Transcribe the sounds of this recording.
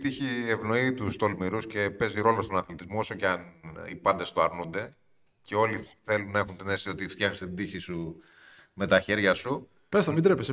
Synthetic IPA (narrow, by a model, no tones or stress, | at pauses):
t̪içievno̞it̪ust̪o̞lmiɾusce̞pe̞ziɾo̞lo̞st̪o̞nɐθlit̪izmo̞o̞so̞ceɐnḭpɐnd̪e̞st̪oɐɾnund̪e̞ | ce̞o̞liθe̞lunːɐe̞xunt̪inesiot̪ift̪jɐxni̥set̪id̪içisu | me̞t̪ɐçe̞ɾʝɐsu | pesɐnmid̪ɾepes